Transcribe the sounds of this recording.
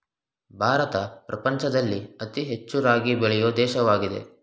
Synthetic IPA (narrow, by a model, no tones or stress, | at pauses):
bʱaːɾɐt̪ɐpɾɐpɐɲt͡ʃɐd̪ɐlːiɐt̪iɦe̞t͡ʃːuɾaːɡibɛɭɛjoːd̪ɛːʃɐʋaːɡid̪e̞̰